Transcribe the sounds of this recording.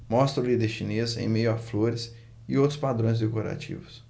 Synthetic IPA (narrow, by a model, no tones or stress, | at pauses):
mɔst̪ɾʊlid̪eɾʃinezḛ̃j̃mejʊafloɾɪs | ɪowt̪ɾʊspad̪ɾõj̃zd̪ekoɾa̰t͡ʃḭvʊs